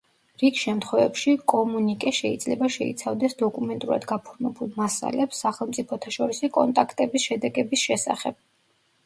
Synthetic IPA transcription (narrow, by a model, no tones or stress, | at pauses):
ɾikʃɛmt̪ʰχwɛvɛpʃikʼɔmunikʼɛʃɛid̪zlɛbaʃɛḭt̪sʰavd̪ɛsd̪ɔkʼumɛnt̪ʼuɾa̰d̪ɡapʰuɾmɛbulˠmasa̰lɛpsːaχɛlˠmt̪sʼipʰɔt̪ʰaʃɔɾisikʼɔ̰nt̪ʼakʰt̪ʼɛbisʃɛd̪ɛɡɛbisʃɛsa̰χɛb̥̚